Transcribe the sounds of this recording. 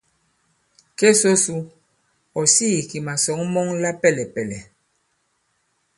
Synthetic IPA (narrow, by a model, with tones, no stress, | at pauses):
ke˦so˦su˦ | ɔ˨si˦˨ki˨ma˨sɔ˨˦ŋmɔ˦ŋla˦pɛ˦˨lɛ˨pɛ˨lɛ˨